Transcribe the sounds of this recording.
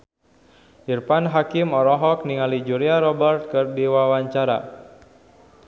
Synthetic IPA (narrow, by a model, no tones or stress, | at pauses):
ʔirpanɦakimɔɾɔɦɔk̚niŋalid͡ʒuɾiaɾɔbərt̪̚kɨrdiwawaɲt͡ʃaɾa̰